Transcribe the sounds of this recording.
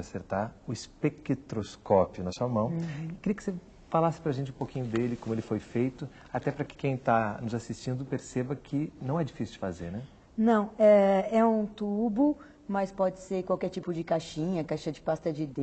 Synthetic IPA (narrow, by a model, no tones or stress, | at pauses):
aseɾt̪aɾʊɪspekɪt̪ɾoskɔpjʊnɐsuɐmɐ̃w̃ɪkɪɾiɐkɪ̥se | falasɪ̥pɾɐʒẽnt͡ʃɪũpokĩɲʊd̪elɪkõmʊelɪfojfejt̪ʊ | at̪ɛpɾɐkɪ̥kẽj̃t̪anʊzasist͡ʃĩnd̪ʊpeɾsebɐkʰɪnɐ̃w̃ɛd͡ʒifisuwd͡ʒɪfazeɾnɛ | nɐ̃w̃ɛɛũt̪ubʊ | mɐspɔd͡ʒɪseɾkwawkɛɾt͡ʃipʊd͡ʒɪkaʃĩɲɐkaʃɐd͡ʒɪpast̪ɐd͡ʒɪd̪ẽ